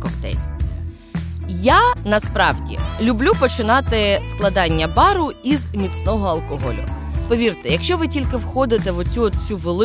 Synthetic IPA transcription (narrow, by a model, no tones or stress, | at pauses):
kɔpt̪ɛ̰jʲ | janɐspɾɑwdʲḭlʲʊblʲupɔt͡ʃɪnɑt̪ɪsklˠɐd̪ɑnʲːɐbɑɾʊizmʲit̪snɔɦɔɐlˠkɔɦɔlʲʊ̰ | pɔʋʲirt̪ɛjɐkʃt͡ʃɔʋɪtʲilʲkɪwxɔd̪ɪt̪ɛʋɔt͡sʲuɔt̪t͡sʲuʋelˠ